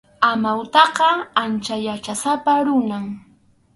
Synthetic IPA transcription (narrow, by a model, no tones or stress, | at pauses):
amawt̪ɑqɑant͡ʃajat͡ʃasapaɾʊnaŋ